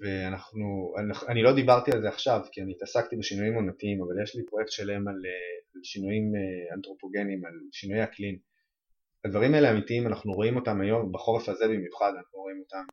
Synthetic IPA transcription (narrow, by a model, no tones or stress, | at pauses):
veanaχnuanaχanilo̞d̪ibaʁt̪ialzeaχʃavkianiːt̪asakt̪ibeʃinujimonatiimavaljeʃlipʁoje̞k̚t̪ʃelaemalealʃinujimeant̪ʁo̞po̞ɡe̞nimalʃinujaklin | advaʁimae̞leamitiimanaχnuʁo̞imo̞t̪amajo̞mbaχo̞ʁefaze̞bimjuχad̪anaχnuʁo̞imo̞tam